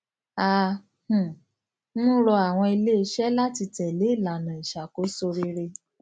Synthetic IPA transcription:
a˦ | h̩˨˦ | ũ˦ɾɔ˧a˨w̃ɔ̃˧i˧le˦˧ʃɛ˦la˦ti˧tɛ̃˨le˨˦i˦˨la˨nã˨i˨ʃa˨ko˨˦so˧ɾi˧ɾe˧

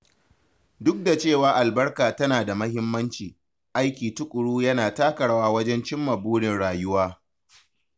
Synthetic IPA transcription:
dʊ˦k̚da˨t͡ʃeː˦˨waː˦ʔa˨lbɐ˦rkaː˨tɐ˦naː˨da˨mɐ˦ɦɪ˦mːɐ˦nt͡ʃiː˨ | ʔa˦jkʲiː˨tʊ˦kʷʼʊ˨ɽuː˦jɐ˦naː˨taː˦kɐ˨ɽwaː˦wɐ˦d͡ʒɛ˦nt͡ʃɪ˦mːɐ˨buː˦ɽɪ˨nɽaː˨jʊ˦waː˦

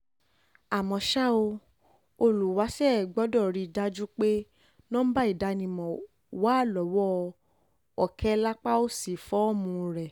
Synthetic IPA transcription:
a˨mɔ̃˧ʃa˦o˧ | o˧lu˨wa˨˦sɛ˦˨ɡ͡bɔ˨˦dɔ˦˨ɾi˨˧˨da˦d͡ʒu˦k͡pe˦ | nɔ̃˦m̩̃˦ba˦i˦˨da˨˧˦nĩ˧˨mɔ̃˨ | wa˨˦˨lɔ˨˦wɔ˦˧ | ɔ˨kʰɛ˦la˦k͡pa˦o˦si˨fɔ˦ɔ˦˨mũ˧˦ɾɛ˨

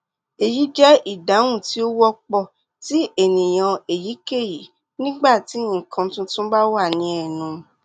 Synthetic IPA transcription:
e˨ji˨˦d͡ʒɛ˦ʔi˦˨da˨˦wũ˦˨ti˨˦o˦wɔ˦k͡pɔ˦˨ | ti˦ʔe˦˨nĩ˨j̃ã˧e˨ji˨˦ke˦˨ji˨˦ | nĩ˦ɡ͡ba˦˨ti˨˦ĩ˨kʰã˧˦tũ˦tũ˦ba˦wa˦˨nĩ˨˧ɛ˨nũ˨˦

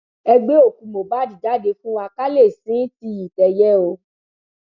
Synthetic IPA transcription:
ɛ˧ɡ͡be˦o˦˨kũ˨mo˨ba˨˦di˨da˨˦de˧fũ˦wa˧ka˦le˦˨sĩ˨˦ti˧˦ji˨tɛ˨jɛ˦o˧˦

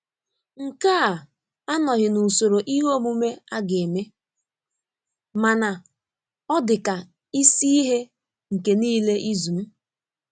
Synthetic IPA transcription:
ŋ̩˨ka˦˨ | a˦nɔ˨ɣɪ˨nu˨so˨ɾo˨ʔi˦ɦo˦mu˦me˦a˦ɡe˨me˦ | ma˨na˨ | ɔ˦dɪ˨ka˨ | i˦si˦i˦ɦe˦ | ŋ̩˨ke˨niː˦le˦ʔi˦zu˨m̩˦

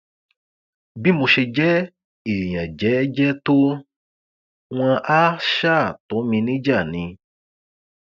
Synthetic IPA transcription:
bi˦mõ˧ʃe˧d͡ʒɛ˦ | e˨jã˨d͡ʒɛ˨˦d͡ʒɛ˦to˦ | w̃ã˧ʔa˦ʃa˦˨t̪o˨˦mĩ˧nĩ˦d͡ʒa˦˨nĩ˧

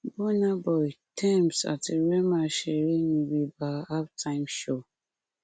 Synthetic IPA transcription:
bɔ˦na˦bɔ˨jtʰɛ̃˦˨msa̰˨te˨ɹɛ˦ma˨ʃɛ˨ɾi˦nĩ˨wi˨ba˨a˦ptʰã˦ɪ̃mʃo˦˨

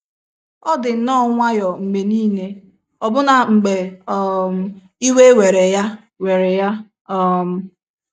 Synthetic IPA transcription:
ɔ˦dɪ˨n̩˨nɔ˦ŋʷa˦jɔ˨ŋ͡m̩˨ɡ͡be˨niː˦ne˦ | ɔ˨bʊ˦na˨ŋ͡m̩˨ɡ͡be˨ɔ˦˨m˨ | i˦we˦we˨ɾe˨ja˦ | we˨ɾe˨ja˦ | ɔ˦m̩˨

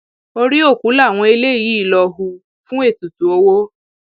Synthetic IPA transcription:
o˧ɾi˦o˦˨ku˨˦la˦˨w̃ɔ̃˧e˧le˦˨ji˨˦i˦˨lɔ˧ɦu˧ | fũ˦e˦˨tu˨tu˨o˧wo˦

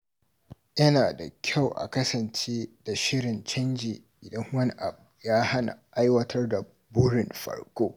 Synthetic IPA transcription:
jɐ˦naː˨da̰˨kʲʰa˦˨wʔa̰˨kɐ˦sɐ˨nt͡ʃeː˦da˨ʃɪ˦ɽɪ˨nt͡ʃɐ˦nd͡ʒeː˨ | ʔɪ˨dɐ˦ŋwɐ˦n˦ʔa˨bjaː˦ha˦na̰˨ʔa˦jwɐ˦tʰɐ˦rda˨ | bʊ˦ɽɪ˨mɸɐ̰˦ɽkʷoː˦

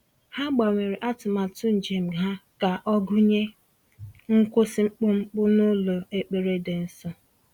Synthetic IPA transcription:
ha˦ɡ͡ba˨ŋʷe˨ɾe˨ʔa˦tʊ˨ma˨tʊ˦n̩˨d͡ʒe˨m̩˨ɦa˦ka˨ʔɔ˦ɡʊ˦ɲe˦ | ŋ̩˦kʷʊ˦sɪ˦ŋ͡m̩˦k͡pʊ˦ŋ͡m̩˦k͡pʊ˦nʊ˦lo˨e˨k͡pe˨ɾe˦de˨n̩˦sɔ˦

